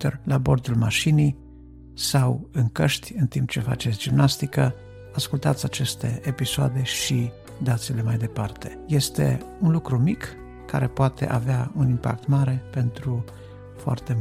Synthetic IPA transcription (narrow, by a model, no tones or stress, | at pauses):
t̪erlabo̞rd̪ulmaʃinij | sawɨŋkəʃt̪ʲɨnt̪impt͡ʃe̞fa̰t͡ʃe̞t̪sʲd͡ʒimnast̪ikə | askult̪at̪sʲat͡ʃe̞st̪e̞episoa̰d̪e̞ʃi | d̪at̪sile̞majd̪e̞part̪e̞̥je̞st̪e̞̰unlukɾumikː | a̰ɾe̞poat̪e̞̰ʔaveaunimpa̰k̚t̪maɾe̞pe̞nt̪ɾu | foa̰rt̪e̞